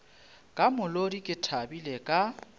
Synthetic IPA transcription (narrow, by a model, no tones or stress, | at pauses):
kʼamʊlodikʼɪtʰabilekʼa